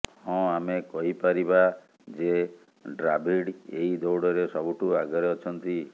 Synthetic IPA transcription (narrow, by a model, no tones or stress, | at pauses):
hɔ̃amekɔɦipaɾiba | d͡ʒe | ɖɾabiɽeɦid̪owɽɔɾesɔbuʈuaɡɔɾeɔt͡ʃʰɔnt̪i